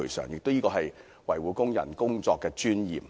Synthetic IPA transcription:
ɵ˨˩jsœ̰ː˨˩ŋjɪ˨k̚t̪o˥wjiː˥kɔː˧ɦɐ˨j | wɐ˨˩jwuː˨˥kʊ˥ŋjɐ̰˨˩nkʊ˥ŋt͡sɔː˧kːɛː˧t͡ʃyː˥njḭː˨˩m

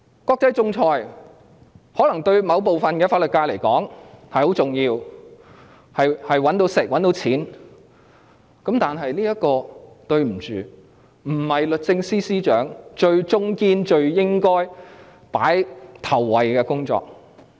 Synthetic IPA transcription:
kɔː˧k̚t͡sɐ˨˥jt͡sʊ˧ŋt͡sʰɔː˧j | hɔː˨˥lɐ˨˩ŋt̪ɵ˧ɥmɐ˨˧wp̬o˨˧wfɐ˨nkɛː˧faː˧t̚lɵ˨t̚kːaː˧jle˨˩jkɔː˨˥ŋhɐ˨jho˨˥wt͡sʊ˨ŋjiː˧w | hɐ˨jhɐ˨jwɐ˨˥nt̪o˧˥wsɪ˨k̚wɐ˨˥nt̪o˨˧wt͡sʰiː˨˥n | kɐ˨˥mt̪aː˨nɦɐ˨jliː˥jɐ˥kɔː˧ | t̪ɵ˧ɥm̩˨˩t͡ʃyː˨ | m̩˨˩hɐ˨jlɵ˨t̚t͡sɪ˧ŋsiː˥siː˥t͡ʃœː˨˥ŋt͡ʃɵ˧ɥt͡sʊ˥ŋkiː˥nt͡ʃɵ˧ɥjɪ˥ŋkɔː˥j | pa̰ː˨˥jt̪ʰɐ˨˩wːɐ˨jkɛː˧kʊ˥ŋt͡sɔ̰ː˧k̚

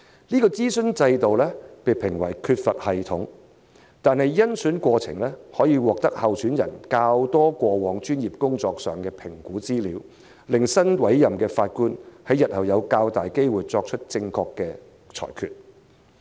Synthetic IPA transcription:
niː˥kɔː˧t͡siː˥sɵ˥nt͡sɐ˧jt̪o˨wlɛː˥pe˨jpʰɪ˨˩ŋwɐ˨˩jkʰyː˧t̚fɐ˨t̚hɐ˨jt̪ʰʊ˨˥ŋ | t̪aː˨nɦɐ˨jjɐ˥nsyː˨˥nkʷɔː˧t͡sʰɪ̰˨˩ŋlɛː˥hɔː˨˥jiː˧wɔː˨k̚t̪ɐ˥k̚hɐ˨wsʰyː˨˥njɐ̰˨˩nkaː˧wt̪ɔː˥kʷɔː˧wɔː˨˧ŋt͡ʃyː˥njiː˨p̚kʊ˥ŋt͡sɔː˧k̚sœː˨ŋkɛː˧pʰɪ˨˩ŋkuː˨˥t͡siː˥liː˨˥w | lɪ˨ŋsɐ˥nwɐ˨˥jːɐ˨˩mkɛː˧faː˧t̚kuː˥nhɐ˨˥jɐ˨t̚hɐ˨˩wjɐ˨˧wkaː˧wt̪aː˨jke˥jwuː˨˩jt͡sɔː˧k̚t͡ʃʰɵ˥t̚t͡sɪ˧ŋkʰɔː˧kːɛː˧ | t͡ʃʰɔ̰ː˨˩jkʰy̰ː˨t̚

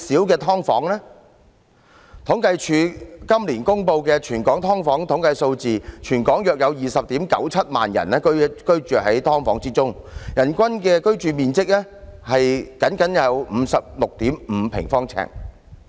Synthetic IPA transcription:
si˨˥wkɛː˧t̪ʰɔː˥ŋfɔː˨˥ŋlɛ˥ | t̪ʰʊ˨˥ŋkɐ˧jt͡ʃʰyː˨˧kɐ˥mliː˨˩nkʊ˥ŋpo˧wkɛː˧t͡ʃʰyː˨˩nkɔː˨˥ŋt̪ʰɔː˥ŋfɔː˨˥ŋt̪ʰʊ˨˥ŋkɐ˧jso˧wt͡siː˨t͡ʃʰyː˨˩nkɔː˨˥ŋjœː˨˩k̚jɐ˨˧wjiː˨˩sɐ˨p̚t̪iː˨˥mkɐ̰˨˥wt͡sʰɐ˥t̚ma̰ː˨njɐ̰˨˩nlɛː˥kɵ˥kɵ˥ɥt͡ʃyː˨hɐ˨˥jt̪ʰɔː˥ŋfɔː˨˥ŋt͡siː˥t͡sʊ˥ŋjɐ˨˩nkʷɐ˥nkɛː˧kɵ˥ɥt͡ʃyː˨˧miː˨nt͡sɪ˥k̚lɛː˥hɐ˨jkɐ˨˥nkɐ˨˥njɐ˨˧wm̩ː˨˧sɐ˨p̚lʊ˨k̚t̪iː˨˥mm̩˨˧pʰɪ̰˨˩ŋfɔː˥ŋt͡sʰɛ̰ː˨˩ŋ

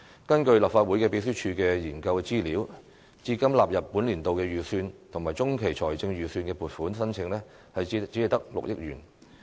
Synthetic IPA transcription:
kɐ˥nkɵ˧ɥlɐ˨pfaː˧t̚wu˨˥jkɛː˧pe˨˥js̬yː˥t͡ʃʰyː˧kɛː˧jiː˨˩nkɐ˧wkɛː˧t͡siː˥li˨˥w | t͡siː˧˥kɐ˥mlaː˨p̚jɐ˨pːuː˨˥nliː˨˩nt̪o˨wkɛː˧jyː˨syː˧nt̪ʰʊ˨˩ŋmaː˨˩jt͡sʊ˥ŋkʰe˨˩jt͡ʃʰɔː˨˩jt͡sɪ˧ŋjyː˨˩syː˧nkɛː˧puː˨˩t̚fuː˨˥nsɐ˥nt͡sʰɪ˨˧ŋlɛː˥ | hɐ˨jt͡si˨˥ɐ˨jt̪ɐ˥k̚lʊ̰˨k̚jɪ̰˥k̚jyː˨˩n

